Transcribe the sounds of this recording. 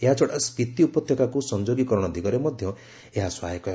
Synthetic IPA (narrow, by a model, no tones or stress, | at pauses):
eɦat͡ʃʰɔɽaspit̪iupɔt̪ʰjɔkakusɔnd͡ʒoɡikɔɾɔɽ̃ɔd̪iɡɔɾemɔd̪ʱjɔ | eɦaswaɦekɔ